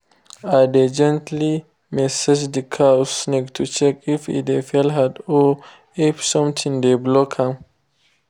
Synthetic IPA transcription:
aded͡ʒɛ̃ntli | mɛsed͡ʒd̪ikʰausnektʰut͡ʃɛkifḭdefɛlɦado | efsɔ̃mt̪ʰĩŋdeblokʰãm

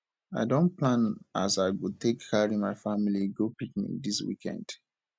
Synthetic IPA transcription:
aɪdõn̚plãnasaɪwitʰekʰːaɹimaɪfamiliɡopikmḭd̪iswḭkʰɛ̰̃nd̥

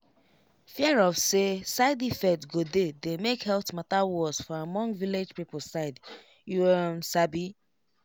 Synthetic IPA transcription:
fjiɛɹɔfsesaɪdifɛtɡodedemekhɛltmatawɔz̥fɔamɔ̃ŋɡviled͡ʒpip̩saɪd | juɛmsabi

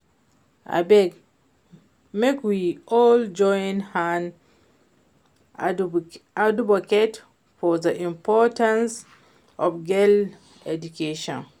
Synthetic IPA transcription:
ʔa̰bɛɡ | mekwiʔɔld͡ʒɔj̃nhãn | adubɔkɛt | fɔðəʔĩmpʰɔtãns | ʔɔfɡel | ɛdukʰeʃɔ̰̃n

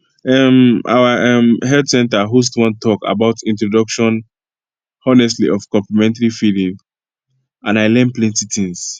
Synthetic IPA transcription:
ɛmʔa̰waʔɛ̃mɦɛldsɛ̃ntaɦus̬twɔ̃ntʰɔka̰baʊtĩntɹɔdʌkʃɔ̃n | ɔnɛstliʔɔfkɔ̃mplɛmɛ̃ntaɹifilĩŋ | ãnaɪlɛ̃nplɛ̃ntitʰĩŋs

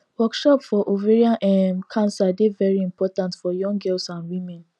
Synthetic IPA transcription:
wɔkʃɔpfɔʔoveɹiãnʔɛmkʰãnsadevɛɹiĩmpɔtãntfɔjɔ̃ŋɡɛlsãnwĩmɛ̃n

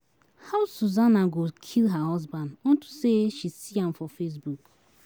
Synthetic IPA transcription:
haʊsuzanaɡokʰilɦaɦɔzbãndɔ̃ntu̥seʃisiãmfɔfes̬buk

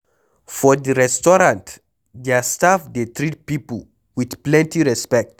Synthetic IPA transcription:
fɔdəɹɛstɔɹãnt | destafdetɹit̚pipəl̩ | widplɛ̃ntiɹɛspɛk̚t

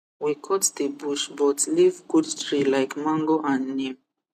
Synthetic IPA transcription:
wikʰɔtd̪əbuʃbɔtlivɡudstɹilajkmãŋɡoʔãnni

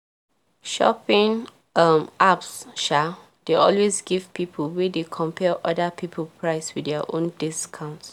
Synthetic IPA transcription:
ʃɔ̰pĩŋ | amʔapsʃa | d̥eɔlwesɡivpipʰəwedekʰɔ̃mpʰɛlʔɔdəpʰipʰəlpʰɹaɪswidɛəʔõndiskʰãʊ̃nt

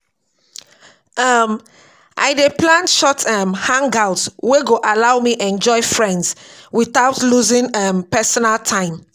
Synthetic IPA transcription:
ʌm | ʔa̰ɪdeplãnʃɔtʰʌmhãŋɡaʊtweɡoʔalaʊmiʔɛ̃nd͡ʒɔɪfɹɛ̃ndswiθaʊtluzĩŋʌmpɛsɔnaltʰãɪ̃m

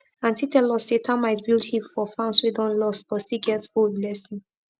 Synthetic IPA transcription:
ãntʰitɛlɔsetʰãnmaɪtbilˠdhĩfɔfãʊnswudɔ̃nlɔstb̥ɔtstiɡɛtbodlɛsĩn

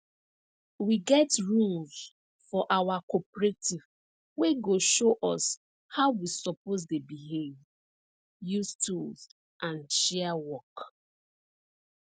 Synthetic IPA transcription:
wiɡɛtɹũlz | fɔʔawakɔpɹetiv | weɡoʃoʔɔs | haʊwisɔpoz̬debiɦev | justʰulz | ʔãnʃɛawɔk

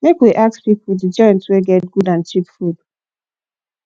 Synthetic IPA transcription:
mekwiʔak̚spipʊdid͡ʒɔɪ̃ntweɡɛt̚ɡudãnt͡ʃipfud̥

